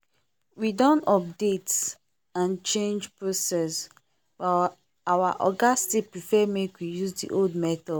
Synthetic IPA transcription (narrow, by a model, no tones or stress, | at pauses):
widɔ̃nɔp̚det | ãnt͡ʃẽnd͡ʒpɹosɛs | b̥a | awaʔɔɡastipɹifɛmekwijuzdḭʔoldmɛtɔ